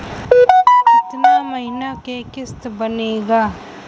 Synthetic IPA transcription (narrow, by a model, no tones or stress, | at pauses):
ɪt̪namɐɦinakekɪst̪bɐneːɡaː